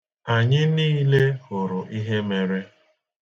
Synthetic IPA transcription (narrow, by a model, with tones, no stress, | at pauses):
a˨ɲɪ˦niː˦le˦hʊ˨ɾʊ˨ʔi˦ɦe˦me˨ɾe˦